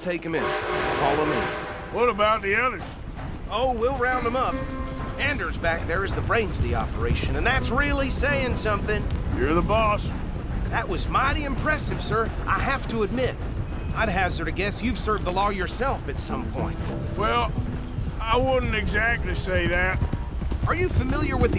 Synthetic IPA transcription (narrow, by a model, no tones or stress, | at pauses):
tʰeɪkɨ̃mɪ̃nkʰɔlˠə̃mɪ̰̃n | wʌɾəbaʊt̪̚ðiʌðə˞z̥ | oʊwilˠɹãʊ̃ndə̃mʌp̚æ̃ndə˞zbæk̚ðə˞ɨzðəbɹẽɪ̃nzʌvðiɑ̰pə˞eɪʃɨ̃nɨ̃nðætsɹɪlˠiseɪɪ̃ŋsʌ̃mθɪ̃ŋjə˞ðəbɔs | ðɨʔ̚wʌzmaɪɾiɨ̃mpʰɹ̥ɛsɨv̥sɜ˞ʔa̰ɪɦæftəɨd̚mɪɾ | aɪɾ̚ɦæzə˞ɾɨɡɛsjʉv̥sɜ˞vd̪ðəlɔjə˞sɛlˠfɨtsʌ̃mpʰɔ̰̃ɪ̃nt | wɛlˠ | aɪwʊdⁿn̩tɨɡzæk̚tˡliseɪðæt̚ | ə˞jɨfɨmɪlˠjə˞wɨð